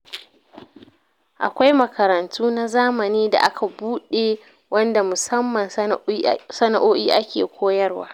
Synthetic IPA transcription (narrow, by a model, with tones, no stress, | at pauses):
ʔa̰˨kʷa˦jmɐ˨kʰɐ˨ɾɐ˨ntʰuː˦na˦zaː˦mɐ˨niː˦da̰˨ʔa˦kʰa˨buː˦ɗeː˨ | wɐ˦nda˨mʊ˨sɐ˦mːɐ˨n | sɐ˦na˨ʔoː˦ʔiː˦ʔa˦kʲḛː˨kʷʰoː˦jɐ˦rwa̰ː˦